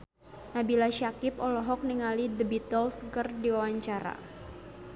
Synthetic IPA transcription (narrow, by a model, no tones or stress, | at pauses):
nabilaʃakɪpɔlɔɦɔk̚niŋalidəbit̪ɔlskərdiwawaɲt͡ʃaɾa̰